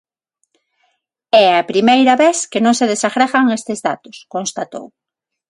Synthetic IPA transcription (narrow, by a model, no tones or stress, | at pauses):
ɛapɾimejɾaβeθkɪnõŋseðesaɣɾɛɣaŋest̪ezða̰t̪ʊskõnst̪at̪o̰w